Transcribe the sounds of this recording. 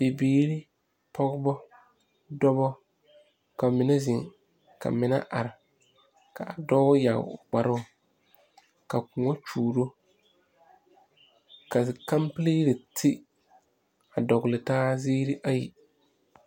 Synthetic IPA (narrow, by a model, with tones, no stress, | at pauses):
be˨biː˦ɾɪ˦ | pʰɔ˦ɡbɔ˦ | dɔ˦bɔ˦ | ka˨mɪ˨na˦zɪ˨ŋ | ka̰˨mɪ˨na̰˦ʔa˨ɾɪ˨ | ka˨a˨dɔ˦ja˨ɡ̰ɡ͡ba˨ɾʊ˦ʊ˨ | ka˨kʊ˨ŋɔ˦t͡ʃuː˨ɾo˦ | ka˨ka˦mpli˦ɾɪ˨tʰɪ˦ | a˨dɔ˨ɡlɪ˨taː˦ziː˦ɾɪ˦ʔa˦jḭ˨